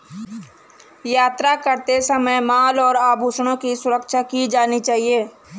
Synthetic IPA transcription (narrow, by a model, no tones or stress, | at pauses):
jaːt̪ɾakəɾt̪esəməjmaːlɔːɾaːbʱuːʃɽ̃õkisʊɾəkʃakid͡ʒaːnit͡ʃaːɦieː